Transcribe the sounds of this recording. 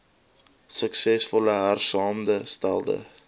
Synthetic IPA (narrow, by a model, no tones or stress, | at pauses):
səksɛsfɔləɦærsɑːmdəstælˠdə̰